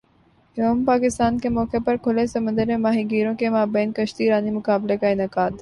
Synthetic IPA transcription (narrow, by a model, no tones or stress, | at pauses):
joːmpaːkɪst̪aːnkemɔːkepɐɾkʰʊlesɐmə̃nd̪əɾẽmaːɦiɡiːɾõkemaːbɛːnkɐʃt̪iɾaːnimʊkaːblekaɪnaːkaːd̪